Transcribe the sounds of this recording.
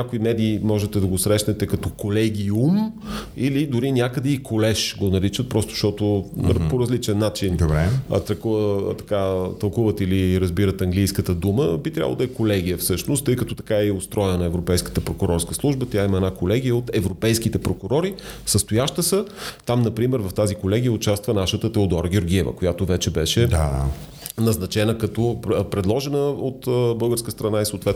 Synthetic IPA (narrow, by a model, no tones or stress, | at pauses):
nakʊimɛd̪iːmɔʒɛt̪ɛd̪ɐɡosɾɛʃnɛt̪ɛkɐt̪ɔkolɛɡʲiumilid̪ʊɾinʲjakəd̪ɛikʰolɛʃɡonɐɾit͡ʃət̪̚pɾɔst̪ʊ̥ʃt̪ɔt̪opoɾɐzlit͡ʃɛnːat͡ʃind̪obɾɛt̪ɾɐkuvət̪ɐ̥kat̪ɐlˠkuvət̪iliɾɐzbiɾət̪ɐŋɡlijskət̪əd̪uməbit̪ɾʲa̰b̰ˠd̪ɐɛkolɛɡ̟ʲijəfsɤʃnost̪ːɤjkət̪ɔ̥t̪ɐ̥kaiʊst̪ɾɔjnnɐɛvɾopɛjskə̥t̪əpɾokʊɾɔɾskəslˠuʒbət̪ʲjaiməɛnakolɛɡ̟ijəot̪ɛvɾopɛjsk̟it̪ɛpɾokʊɾɔɾifsəst̪ʊjaʃt̪əsət̪amnɐpɾimɛɾvɐft̪azikolɛɡʲijəʊt͡ʃast̪vənaʃət̪ət̪ɛod̪ɔɾɡʲjoɾɡʲiɛvə̰kojat̪ovɛt͡ʃɛbɛʃɛd̪a | nɐznɐt͡ʃɛnəkɐt̪ɔpɾɛd̪lˠɔʒɛnəot̪əbɤlˠɡəɾskəst̪ɾɐnaisoːt̪vɛt̪